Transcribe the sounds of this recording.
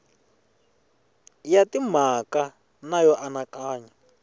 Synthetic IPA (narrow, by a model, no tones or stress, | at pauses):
jatim̤aka | najɔʔanakaːɲa